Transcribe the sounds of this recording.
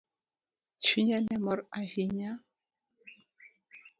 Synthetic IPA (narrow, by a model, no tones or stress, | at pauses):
t͡ʃiɲanɛmɔɾaɣiɲa